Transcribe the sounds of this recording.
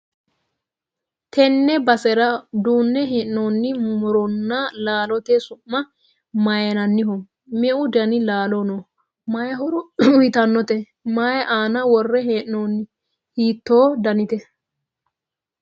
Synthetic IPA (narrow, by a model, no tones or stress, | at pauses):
t̪ʰɛnːɛbɐsɛɾɐd̪uːnːɛɦeːʔɪnoːnːɪmʊɾɔnːalaːlɔt̪ɛsʊmːɐ | majɐnɐnːɪɦɔ | mɛʔʊd̪ɐnɪlaːlɔno | mɐjɐɦɔɾʊʊjɪt̪ɐnːɔt̪ɛ | maːjʔaːnɐwɔrːɛɦeːʔnoːnːɪ | hiːt̪ːoːd̪ɐnɪt̪ɛ